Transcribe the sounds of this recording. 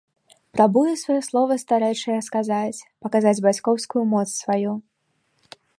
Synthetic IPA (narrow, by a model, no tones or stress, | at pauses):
pɾʔabujɛsvɔjɛslˠɔvɐst̪aɾɛjt͡ʂɐjɛskazat͡sʲpɐkazad͡zʲbat͡sʲkɔwskujumɔt̪ssvaju